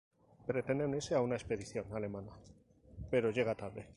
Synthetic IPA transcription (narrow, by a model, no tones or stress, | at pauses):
pɾet̪end̪eniseaunaespeð̞iθjo̞nale̞mana | pe̞ɾoʝeɣ̞at̪alðe